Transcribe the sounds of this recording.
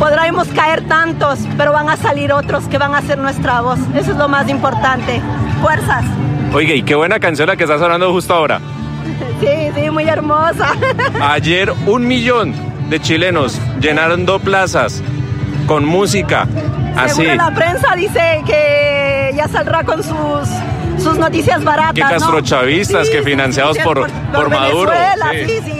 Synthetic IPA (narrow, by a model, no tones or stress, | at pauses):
poðɾajmo̞skae̞ɾt̪ant̪o̞spe̞ɾo̞βaŋasaliɾo̞t̪ɾo̞ske̞βaŋase̞ɾnwe̞st̪ɾaβo̞sesoezlo̞masimpo̞ɾt̪ant̪efwe̞ɾsaso̞jɣeikeβwe̞nakans̬jo̞nlakest̪as̬aβland̪ohust̪oaoɾa̰ | sisimuje̞ɾmosaaʝe̞ɾunmiʎo̞nd̪e̞t͡ʃile̞nosd͡ʒe̞naɾond̪oplasasko̞nmusika̰a̰sielapɾensaðiseke | ʝasaldɾakonsusː | uznot̪isjazbaɾat̪eakast̪ɾot͡ʃaβist̪askefinãnsjaðospoɾ | oɾmaðuɾoelaiisi